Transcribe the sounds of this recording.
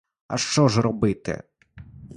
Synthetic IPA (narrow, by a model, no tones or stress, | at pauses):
ɐ̰ʃt͡ʃɔʒrɔbɪt̪ɪ̰